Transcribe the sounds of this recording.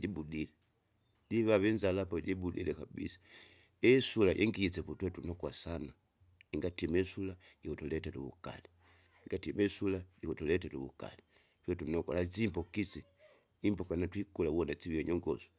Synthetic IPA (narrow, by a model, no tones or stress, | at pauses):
ɟibudilɛ | ɟiβaβɛnzalapɔɟibudḭlɛkabḭsḁ | ɛsulaʔɛ̰ŋɡiit͡sɛputwɛtunɔkwasana | iŋɡatimɛsulaikutulɛtɛlṵβṵka̰li | iŋɡatimɛsulaikutulɛtɛlṵβṵka̰li | pɛtunɔkwa̰lat͡simbɔkisi | imbɔkanatwikulawɔnat͡ʃiβiɛɲɔŋɡɔ̰su̥